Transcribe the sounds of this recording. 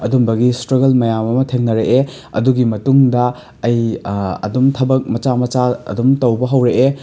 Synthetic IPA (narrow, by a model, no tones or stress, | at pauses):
ɐdumbɐɡistɾɐɡɐlmɐjamɐmɐtʰeŋnɐɾeʔe | ɐ̰duɡimɐtuŋdɐ | ɐjɐ̰dumtʰɐbɐk̚mɐt͡ʃamɐt͡ʃaɐ̰dumtɐwbɐɦɐwɾeʔe